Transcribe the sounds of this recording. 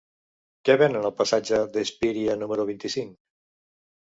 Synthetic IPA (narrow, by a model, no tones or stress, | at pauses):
kɛβɛnənəlˠpəsad͡ʒəðəspiɾiənuməɾuβint̪isiŋk